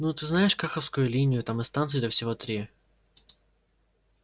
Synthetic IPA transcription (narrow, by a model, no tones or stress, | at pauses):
nut̪ɨznajɪʂkaxəfskʊjʊlʲinʲɪjʊt̪amɨnst̪ant̪sɨjɪd̪ʲəfsʲɪvot̪ɾʲi